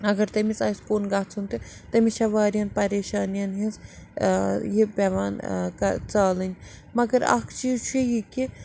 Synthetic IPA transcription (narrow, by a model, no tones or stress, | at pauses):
ɐɡɐɾt̪ɐmit͡sɐːiskoːnɡaːt͡sʰunt̪ɨ | t̪ɐmiʃʰɐʋaːɾijɐnpɐɾeːʃaːnijɐnɦis | jipʲɛʋaːnkɐt͡saːlɨnʲmɐɡɐɾa̰kʰt͡ʃiːt͡ʃʰuijiki